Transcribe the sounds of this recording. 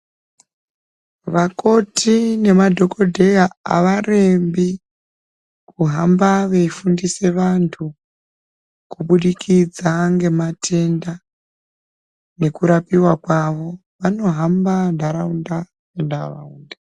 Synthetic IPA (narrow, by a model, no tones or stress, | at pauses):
ʋako̞tʰine̞madʱo̞ko̞dʱe̞jaa̰ʋare̞mbi | kuɦambaʋeifundise̞ʋantʰu | kuɓuɗikʰid͡zaŋɡe̞matʰe̞nda | ne̞kuɾapiwakwaʋo̞ | ʋano̞ɦambandʱaɾaunda | endara̰unda